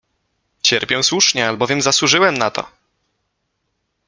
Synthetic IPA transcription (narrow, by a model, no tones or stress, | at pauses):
t͡ɕɛɾpʲjɛw̃swuʂɲɛalbɔvʲjɛmzaswuʐɘwɛmnat̪ɔ̰